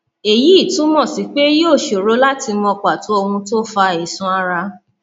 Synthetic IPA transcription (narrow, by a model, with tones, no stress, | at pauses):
e˨ji˨˦i˦˨tũ˨˦mɔ̃˦˨si˨˦k͡pe˦joː˦˨ʃo˨ɾo˨˦la˦ti˧mɔ̃˧k͡pa˨tu˨˦o˧hũ˧to˦fa˧e˨sũ˧a˧ɾa˧